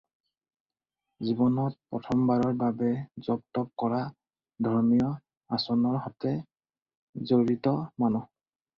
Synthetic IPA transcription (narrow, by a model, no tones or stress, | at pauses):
zibɔnɔt̚pɹɔtʰɔmbaɹɔɹbabɛzɔp̚tɔp̚kɔɹa | dʱɔɹmijɔ | asɔnɔɹɦɔtɛ | zoɹitɔmanɔ